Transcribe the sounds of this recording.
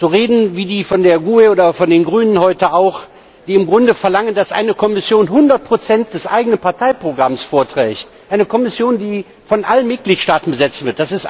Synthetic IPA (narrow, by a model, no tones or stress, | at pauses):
z̥oːʁeːdn̩viːdiːfɔndeːɐɡueoːdɐfɔndeːnɡʁyːnənhɔʏtəʔaʊx | d̥iːɪmɡʁʊndəfɛɐlaŋəndasʔa̰ɪnəkʰɔmɪsjoːnɦʊndɐt̚pʁ̥ot͡sɛntd̥ɛsʔa̰ɪɡənənpaɐtʰaɪpʁ̥oɡʁamsfoːɐtʁ̥ɛ̰ːçt | ʔaɪnəkʰɔmɪsjoːndiː | fɔnʔalənmɪt̚ɡ̥liːtʃtaːtn̩bəzɛt͡stv̥ɪɐt̚d̥asɪst